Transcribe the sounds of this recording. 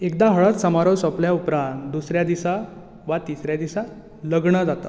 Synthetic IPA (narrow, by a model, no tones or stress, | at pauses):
ek̚d̪aɦəɭət̪səmaɾəwsəpljaupɾãnt̪d̪usɾjad̪isa | ʋat̪isɾjad̪isa | ləɡɳəd͡zat̪a̰